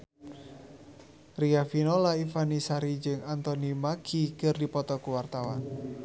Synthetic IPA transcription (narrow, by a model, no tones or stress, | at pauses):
riafinɔlaifanisaɾid͡ʒəŋant̪ɔnimakikərdipɔt̪ɔkuwart̪awan